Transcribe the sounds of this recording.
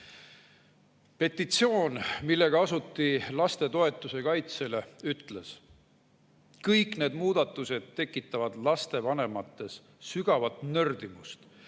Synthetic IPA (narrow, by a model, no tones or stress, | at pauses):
pe̞t̪ːˑit̪sio̞ːnmilːe̞ɡ̥ɑɑsut̪ːilɑst̪e̞t̪o̞e̞t̪ːˑuse̞kɑjt̪se̞le̞yt̪ːle̞s | kɤjkne̞ːd̪muːd̪̥ɑt̪ːˑuse̞d̪̥t̪ːe̞kːˑit̪ːˑɑvɑd̪̥lɑst̪e̞vɑne̞mɑt̪ːe̞s | syɡ̥ɑvɑt̪nø̞rd̪̥imust̪